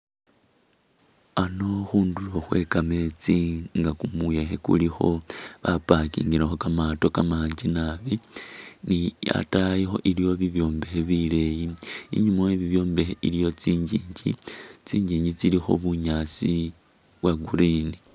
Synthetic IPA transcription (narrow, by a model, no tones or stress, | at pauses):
ano̞xuːnduloxwe̞̰kame̞t͡siŋɡakumuje̞xekṵlixo̞βapakḭːŋɡiɾaxo̞kamato̞kamaːɲd͡ʒinaβinia̰tajixo̞̰ʔilijo̞βiβjo̞ːmbe̞xeβile̞jiḭɲumaweβiβjo̞ːmbe̞xeʔilijo̞t͡siːɲɟiːɲɟḭt͡siːɲɟiːɲɟit͡silixo̞̰βuɲasi | βwaɡuɾini